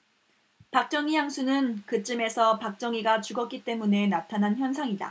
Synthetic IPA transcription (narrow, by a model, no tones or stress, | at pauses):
pak̚t͡ɕ͈ʌŋijaŋsʰunɯnkɯt͡ɕ͈ɯme̞sʰʌpak̚t͡ɕ͈ʌŋiɡat͡ɕuɡʌt̚k͈it͈e̞mune̞natʰanɦançjʌnsʰaŋida̰